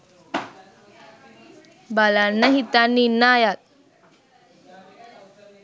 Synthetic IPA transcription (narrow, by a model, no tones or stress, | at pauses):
balanːəɦit̪anːinːaːjat̪̚